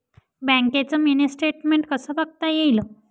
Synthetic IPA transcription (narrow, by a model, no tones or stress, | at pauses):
bə̃ŋket͡səminisʈɾeʈmeɳʈkəsəbaɡ̚t̪ajejlə